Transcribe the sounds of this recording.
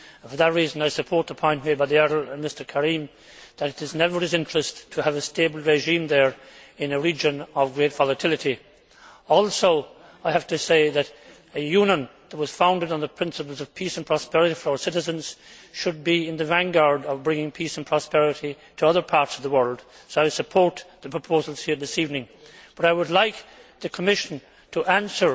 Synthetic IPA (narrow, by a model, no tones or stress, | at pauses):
fə˞ðət̚ɹiz̃naɪsɨpʰɔɹt̪̚ðəpʰɔ̃ɪ̃nmebaɪðiɛɾə˞ə̃nmɪstə˞kʰəɹĩm | ðɨɾɨɾɨznɛvə˞ɨzɪ̃nt͡ʃɹ̥ɨstʰəːvɨstebl̩ˠɹeʒĩmðə˞ɨ̃nɨɹid͡ʒɨ̃nʌvɡɹeɪtv̥ɑlˠətʰɪlˠɨɾi | ɔlˠsoʊ | aɪhæftɨseɪðɨɾ | ɨjʉ̃nə̃nðət̚wʌz̥fãʊ̃ndɨɾn̩ðəpʰɹ̥ɪ̃nsəpl̩ˠzʌv̥pʰisə̃npʰɹ̥ɑspɛɹɨɾifə˞aʊə˞sɪɾɨzɨ̃nz̥ʃɨd̚biɪ̃nðɨvæ̃nɡɑɹdʌvbɹɪ̃ŋɪ̃ŋpʰisə̃npʰɹ̥ɑspɛɹɨɾi | ɾʰəʌðə˞pʰɑɹtsʌvðəwɜ˞lˠd̥ | soaɪsəpʰɔɹt̪̚ðəpʰɹ̥əpʰoʊzl̩ˠz̥hiɹðɪsivnɪ̃ŋ | b̥ʌɾaɪwədˡlaɪkðɨkʰəmɪʃɨ̃n̩ | tʰəʔæ̃nsə˞